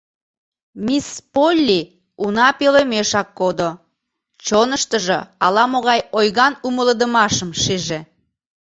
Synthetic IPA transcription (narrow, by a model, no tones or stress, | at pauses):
mispolʲːi | unɑpelemeʃɑkːod̪o | t͡ɕonəʃt̪əʒeɑlɑmoɣɑjojɣɑnumələd̪əmɑʃəmʃiʒe